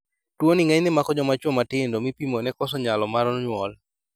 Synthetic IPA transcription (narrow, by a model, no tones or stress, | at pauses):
twonɪŋɛɲnɪmakɔd͡ʒɔmat͡ʃwomatɪndomipimonɛkɔsɔɲalɔmaɾɔnɲwɔl